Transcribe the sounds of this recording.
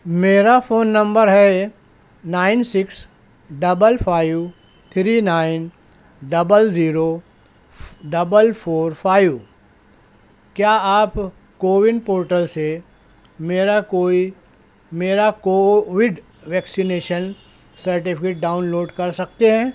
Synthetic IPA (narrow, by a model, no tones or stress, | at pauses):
meːɾafoːnːɐ̃mbəɾɦɛ | naːɪnsɪks | ɖɐbəlpʰaːɪʋ | t̪ʰɾiːnaːɪn | ɖɐbəlziːɾo | ɖɐbəlfʰoːɾfʰaːɪʋ | kjaːaːp | koːʋɪɳɖpoːɾʈəlse | meːɾakoːi | meːɾakoʋɪɖ | ʋɛːksineːʃən | sɐɾʈ̬ɪpʰɪkeːʈ̚ɖaːʊnloːɖkɐɾsɐk̚t̪eɦɛ̃ː